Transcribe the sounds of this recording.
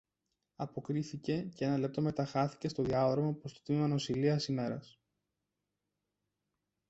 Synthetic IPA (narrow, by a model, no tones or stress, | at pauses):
ɐpo̞kɾiθice̞ceenɐle̞p̚t̪o̞me̞t̪ɐxɐθi̥ce̞st̪o̞ðiɐðɾɐmɐpost̪ot̪imimɐno̞siliɐsime̞ɾɐs